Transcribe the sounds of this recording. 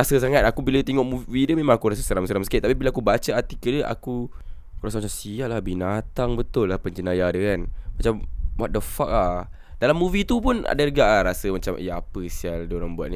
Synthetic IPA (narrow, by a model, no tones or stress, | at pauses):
asəs̬aŋat̪̚akubilat̪eŋɔʔmuvidəmẽmãŋakuɾas̬əsəɾamsəɾamsə̥kiʔt̪apibilaakubat͡ʃəat̪ikədəʔa̰ku | kɾasamaamsiaʔlahbinat̪aŋbət̪ʊlːahpəɲd͡ʒənajadəkanmat͡ʃamwaʔ̚dəfak̚lah | dalamːuvit̪upʊna̰daɾəɡaʔlaɾasəmat͡ʃamə̰jaapəsialdoɾaŋbua̰t̪̚ni